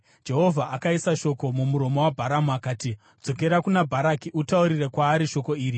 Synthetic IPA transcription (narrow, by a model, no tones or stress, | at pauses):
d͡ʒe̞ɦo̞vʱaʔakaisaʃo̞ko̞mumuɾo̞mo̞wabʱaɾamuakaːti | d͡zo̞ke̞ɾakunabʱaɾakiʔutauɾirekwaːɾiʃo̞ko̞iːɾi